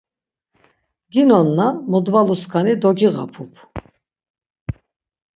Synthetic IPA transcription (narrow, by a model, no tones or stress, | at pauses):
ɡinɔnːamɔd̪valuskʰanid̪ɔɡiʁa̰pʰupʰ